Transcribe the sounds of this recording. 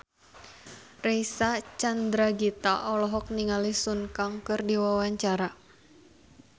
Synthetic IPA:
rɛjsat͡ʃand̪ɾaɡit̪aʔɔlɔɦɔk̚niŋalisunkaŋkɨrdiwawaɲt͡ʃaɾa

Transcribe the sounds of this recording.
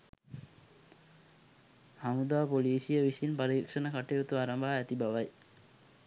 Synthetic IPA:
hamud̪aːpoliːsijəʋisinpaɾiːkʂənəkaʈeot̪uaɾambaːæt̪ibaʋaj

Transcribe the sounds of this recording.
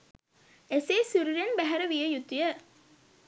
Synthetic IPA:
eseːsuɾiɾenbæɦɐɾɐʋijɐjut̪ːijɐ

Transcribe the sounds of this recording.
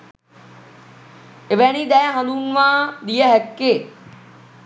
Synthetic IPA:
eʋænid̪ɛjɦɐ̃luːnʋaːd̪ijəɦɛkːeː

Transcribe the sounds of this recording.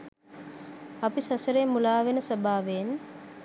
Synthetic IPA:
ɐpisɐsəɾeːmulaːʋenəsobʱaːʋen

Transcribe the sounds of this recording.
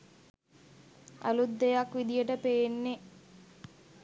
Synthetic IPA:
a̰lud̪ːejakʋid̪ijəʈəpejenːe

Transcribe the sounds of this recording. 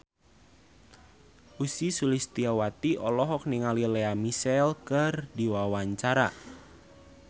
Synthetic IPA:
ʔusisulist̪iawat̪iʔɔlɔɦɔk̚niŋalileamisɛlkɨrdiwawaɲt͡ʃaɾa

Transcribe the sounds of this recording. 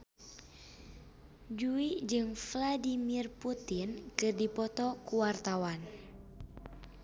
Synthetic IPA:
d͡ʒuid͡ʒɨŋfladimirput̪inkɨrdipɔt̪ɔkuwart̪awan

